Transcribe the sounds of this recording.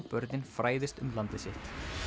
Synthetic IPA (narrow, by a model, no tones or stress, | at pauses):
pœɾt̪ɪnfɾaːjðɪst̪ʏmlant̪ɪsɪht̪